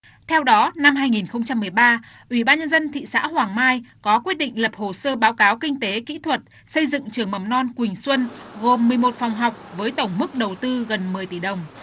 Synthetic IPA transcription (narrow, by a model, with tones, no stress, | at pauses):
t̪ʰɛ˧wɗɔ˨˦na˧mɦaː˧jŋi˨˩nxə˧wŋ͡mt͡ɕa˧mːɨ˨˩əjɓaː˧ | ʔwi˧˩ɓaː˧nɲə˧nzə˧nt̪ʰḭ˧˨sa̰ː˧˥hwaː˨˩ŋmaː˧jkɔ˨˦kwi˦˥t̚ɗḭ̈˧˨ŋ̟lə˨˩p̚ho˨˩səː˧ɓaː˨˦wkaː˨˦wkï˧ŋ̟t̪e˨˦kḭ˧˥t̪ʰwə˨˩t̚ | sə˧jzɨ̰˧˨ŋt͡ɕɨ˨˩əŋmə˨˩mnɔ˧nkwï˨˩ŋ̟swə˧nɣo˨˩mːɨ˨˩əjmo˨˩t̚fa˨˩wŋ͡mɦa˨˩wk͡p̚vəː˨˦jt̪ə˧˩wŋ͡mmɨ˦˥k̚ɗə˨˩wt̪ɨ˧ɣə˨˩nmɨ˨˩əjt̪i˧˩ɗə˨˩wŋ͡m